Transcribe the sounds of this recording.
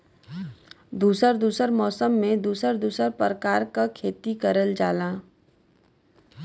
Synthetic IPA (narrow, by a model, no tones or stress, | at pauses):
d̪uːsəɾd̪uːsəɾmɔːsəmːẽd̪uːsəɾd̪uːsəɾpɾəkaːɾkakʰeːt̪ikəɾəld͡ʒaːlãː